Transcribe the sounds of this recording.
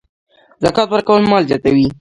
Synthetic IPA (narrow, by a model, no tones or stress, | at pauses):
zakɑt̪wəɾkawəlmɑlzjɑt̪awi